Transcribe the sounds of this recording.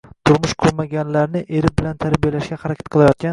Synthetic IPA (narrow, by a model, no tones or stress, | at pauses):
t̪ʰʊɾmʊʃkʰʊɾmaɡʲanlaɾnɪʔe̞ɾɪbɪlant̪ʰaɾbijalaʃɡʲahaɾakʲḁt̪̚qʰɨlˠajɒt̪̚kʲan